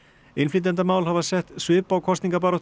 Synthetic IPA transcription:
ɪnflit̪̬ɛnt̪̬amaːwlhavasɛht̪svʏːpawkʰɔst̪niŋkap̬aːɾɔ

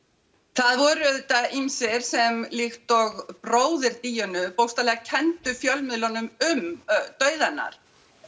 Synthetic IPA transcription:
θaðvɔːɾʏðʏt̪ainsɪɾ̥sɛmlixt̪ɔɣpɾoːwðɪɾt̪iːjʏnʏpowst̪alɛːɣacʰɛnt̪ʏfjœlmɪðlɔnʏmʏmt̪œːɥðanːa̰ɾ̥

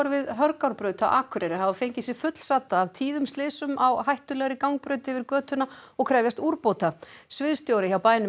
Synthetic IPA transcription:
ɾvɪðɦœɾkawɾpɾœːt̪a̰ʔa̰ːkʰʏɾɛɾɪhavafejɲcɪsɪfʏt̪l̥saːt̪aːvt̪ʰiːðʏmst̪ɪːsʏmawɦajht̪ʏlɛɣɾɪkawŋk̚pɾœɥt̪ɪvɪɾkœːt̪ʏnːaɔɣkʰɾɛːvjast̪uɾpowt̪asvɪðst̪jowɾɪçawpaːjnʏ

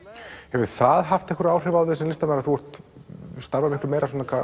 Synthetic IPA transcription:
hɛvʏ̥θaðɦaft̪ɛhkʏɾaːwr̥ɛvawðɪsɛmlɪst̪amajɾaθuɔɾ̥t̪st̪aɾvamɪhklʏmejɾasɔnakʰa

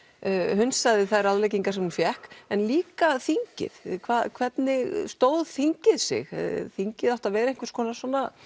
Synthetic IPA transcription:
ɦʏnsaðɪθaðɛɾaðlejciŋkaɾsɛmhunfjɛhkɛnliːkaθiɲcɪ̰ðkʰvaːðkʰvɛt̪nɪɣst̪oːwðθiɲcɪðsɪ̰ɣθiɲcɪðaht̪avɛːɾejŋ̥kvɪɾ̥skʰɔːnasɔːna

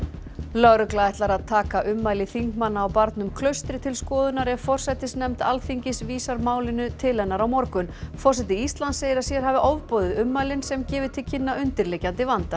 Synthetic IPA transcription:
lœɾʏklaɛht̪laɾaðt̪ʰaːkaʔʏmːaːjlɪθiŋkmanːaːwpaɾt̪nʏmkʰlœɥst̪ɾɪt̪ʰɪlskɔːðʏnaɾɛvfɔr̥sɛt̪ɪsnɛmt̪alfiɲcɪsviːsaɾmaːwlɪnʏt̪ʰɪlɛnːaɾawmɔɾkʏnfɔr̥sɛt̪ɪist̪lansejɪɾasjɛɾ̥ɦavɪʔɔvpɔːðɪðʏmːaːjlɪnsɛmcɛːvɪt̪ʰɪlcʰɪnːaʔʏnt̪ɪɾlejcant̪ɪvant̪a

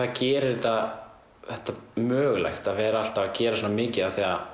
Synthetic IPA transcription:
aðcɛːɾɪɾɛt̪a | θɛht̪ːamœːɣla̰jxt̪aðvɛːɾaal̥t̪aacɛːɾasoːnamɪːcɪðaθia

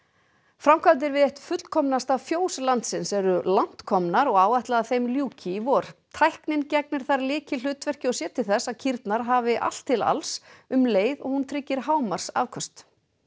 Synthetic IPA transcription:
fɾamkʰvalt̪̬ɪɾvɪðeht̪fʏt̪kʰɔmnast̪avfjoːwslant̪sɪnsɛɾʏlan̥t̪kʰɔmnaɾɔɣaːwajht̪laaθejmljuːcʰɪvɔɾ̥t̪ʰajhknɪncɛk̚nɪɾ̥θaɾlɪːcɪlʏːt̪vɛr̥cɪɔsjɛːt̪ʰɪθɛsːaðcʰiɾt̪naɾ̥ɦaːvɪʔa̰l̥t̪ʰːɪla̰lsʏmleːjðɔɣhunt̪ʰɾɪcːɪɾ̥ɦaːwmar̥sa̰vkʰɔst̪

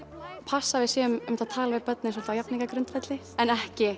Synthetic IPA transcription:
pʰasːavɪðsjɛːmmt̪at̪ʰaːlavɪðpœt̪nɪns̬wɔlt̪ajapniŋkakɾʏnt̪fɛt̪lɪ | ɛnɛhcɪ

